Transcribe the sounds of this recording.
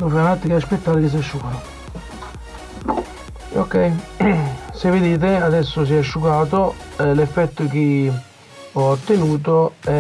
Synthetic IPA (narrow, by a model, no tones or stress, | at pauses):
nofɛnat̪ːikaaspet̪ːaːɾkis̬iɛʃːukaːt̪o | o̰kːɛj | sevid̪iːt̪̬eaðɛsːos̬iɛʃːukaːt̪̬oɛlɛfːɛt̪ːok̟i | ɔːt̪ːenuːt̪̬oɛ